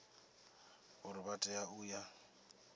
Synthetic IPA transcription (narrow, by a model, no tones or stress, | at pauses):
ʊɾɪbatʼɛjaʊja